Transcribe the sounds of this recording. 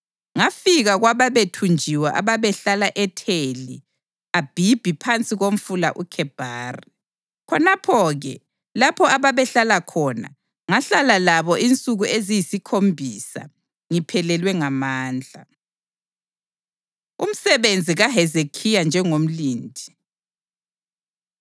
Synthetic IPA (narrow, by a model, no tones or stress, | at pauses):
ŋafiɣaɣwaβaβetʰund͡ʒʱiwaʔa̰βaβɛɬalaʔɛtʰeli | ab̥ʱib̥ʱipʰant͡sʼiɣom̩fula̰ʔukʰɛb̥ʱaːri | kʰɔnapʰɔɣɛ̰ | lapʰɔaβaβɛɬalakʰɔna̰ | ŋaɬalalaβɔʔint͡sʼuɣuezijisikʰombʱisa̰ | ŋipʰɛlɛlwɛŋamaːnd͡ɮʱa̰ | ṵm̩sɛβend͡zʱiɣaɦɛzekʰijand͡ʒʱɛŋom̩liːndʱi